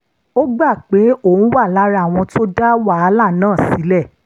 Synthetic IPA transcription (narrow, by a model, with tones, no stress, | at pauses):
o˦ɡ͡ba˦˨k͡pe˨˦õ˦˨˦wa˦˨la˨˦ɾa˦˨w̃ɔ̃˧to˦da˦wa˦˧la˦˨nãː˦˨si˨˦lɛ˦˨